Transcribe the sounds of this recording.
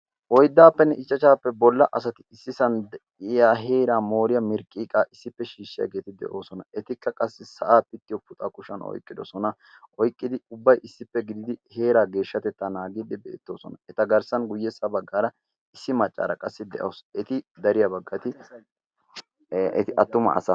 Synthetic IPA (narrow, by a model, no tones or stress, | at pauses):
ʔɔjd̪ːaːpːɛnːɛʔɪt͡ʃʼːɐt͡ʃaːpːɛbɔlːɐʔɐsɐt̪ɪɪsːɪsɐnd̪ɛ | ɪjaːɦeːɾaːmoːɾɪjɐmɪɾkʼiːkʼaːʔɪsːɪpːɛʃiːʃːɪjɐ̰ɡe̞ːt̪ɪd̪ɛ̰ʔo̞ːsɔnɐɛt̪ɪkːɐkʼɐsːɪsɐʔaːpːɪt̪ːɪjɔpʊt̪ʼɐkʼʊʃɐnɔ̰jkʼːɪd̪ɔsɔnɐ | ʔɔjkʼːɪd̪ɪʊbːɐjʔɪsːɪpːɛɡɪd̪ɪd̪ɪhe̞ːɾaːɡe̞ːʃːɐt̪ɛt̪ːɐnaːɡɪd̪ɪbɛ̰ːt̪ːo̞ːsɔnɐɛt̪ɐɡɐɾsɐnɡʊjːɛsːɐbɐɡːaːɾɐ | ɪsːɪmɐt͡ʃʼːa̰ːɾɐkʼɐsːɪd̪ɛ̰ʔosɛt̪ɪd̪ɐɾɪjɐbɐɡːɐt̪ɪ | ʔɛt̪ɪʔɐt̪ːʊmɐ̰ɐ̰sɐ